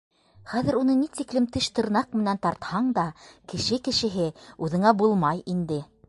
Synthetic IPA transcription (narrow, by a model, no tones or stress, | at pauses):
χæðɘ̆ɾunɤnit̪iklɘmt̪ɘʃt̪ɤ̆ɾnɑq̚mɘ̆nænt̪ɑɾt̪hɑɴd̪ɑkɘ̆ʃɘkɘ̆ʃɘ̆ɦɘʉðɘ̆ŋæbulˠmɑjind̪ɘ